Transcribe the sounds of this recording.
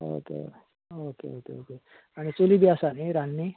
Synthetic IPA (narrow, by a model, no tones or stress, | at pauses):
o̰kḛ | okḛokḛoke | aɽ̃it͡solibiasaniɾanːi